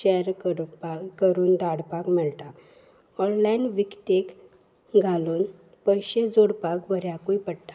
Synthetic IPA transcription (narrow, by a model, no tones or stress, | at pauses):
ɕɛɾkəɽpakəɾuːnd̪aɽpakməlt̪a | ɔllainʋikt̪ek | ɡʱaluːn | pəjɕed͡zoɽpakʋəɾjakuipəɽt̪ḁ